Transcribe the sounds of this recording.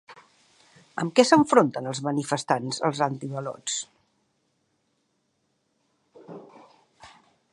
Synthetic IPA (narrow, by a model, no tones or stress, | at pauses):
ə̰mkɛsəɱfɾont̪ənəlˠzmənifəst̪anzə̰lˠzant̪iβəlɔ̰t͡s